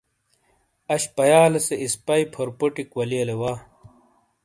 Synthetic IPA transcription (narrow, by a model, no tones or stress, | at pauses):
ɐɕpɐjaːlɐseispɐipʰoɾpoʈikwɐliɐlewaː